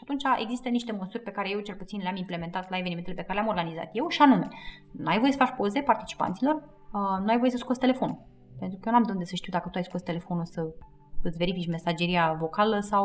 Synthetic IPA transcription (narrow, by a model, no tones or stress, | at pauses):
ʃat̪unt͡ʃaʔe̞̰ɡzist̪əniʃt̪e̞məsurʲpe̞kaɾe̞je̞wt͡ʃe̞lput̪sinleamimple̞me̞nt̪at̪laeveniment̪elepekaɾelʲamo̞rɡaniza̰t̪je̞wʃianume | nuajvoesəfat͡ʃpozepart̪i̥t͡ʃi̥pa̰nt̪silo̞r | nuajvo̞je̞səskost̪ele̞fo̞nul | pent̪ɾukəjenamd̪əund̪esəʃt̪iuwd̪akət̪uajskost̪e̞le̞fo̞nusə | ɨt̪ve̞ɾifit͡ʃme̞sad͡ʒe̞ɾiavo̞kaləsaw